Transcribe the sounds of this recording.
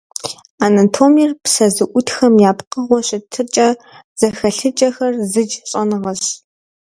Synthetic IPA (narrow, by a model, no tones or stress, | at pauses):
aːnɐtʰoːmirpsɐzɨʔʷʊtxɐmjaːpqəʁʷɔɕɪtʰɨt͡ʃʼɐ | z̥ɐxɐɬɨt͡ʃʼɐxɐrzɨd͡ʒɕʼɐnɨʁɐɕ